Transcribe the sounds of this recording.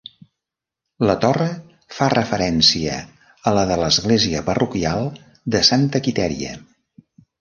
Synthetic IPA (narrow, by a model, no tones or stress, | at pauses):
lət̪ɔrə | farəfəɾɛnsiə̰ | ələðələzɣleziəpərukialˠ | d̪əsant̪əkit̪ɛɾiə̰